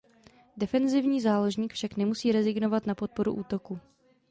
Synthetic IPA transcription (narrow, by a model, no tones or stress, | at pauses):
dɛfɛnzɪvɲiːzaːloʒɲiːkfʃaknɛmusiːɾɛzɪɡno̞vat̪napo̞t̪̚po̞ɾṵʔuːt̪o̞ku